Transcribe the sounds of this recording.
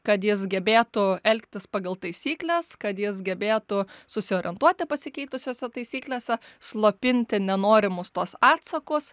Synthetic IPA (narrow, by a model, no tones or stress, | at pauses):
kɐt̪jɪsɡʲɛbʲeːt̪ʊɛlʲkt̪ʲɪspɑːɡɐlˠt̪ɐɪsʲiːklʲɛskɐt̪jɪsɡʲɛbʲeːt̪ʊsʊsʲɪoːɾʲɪɛnt̪uɔt̪ʲɪpɐsʲɪkʲɛɪt̪ʊsʲoːsʲɛt̪ɐɪsʲiːklʲeːsʲɛslˠoːpʲɪnʲt̪ʲɪnʲɛnoːɾʲɪmʊst̪uɔsɑːt̪sɐkʊs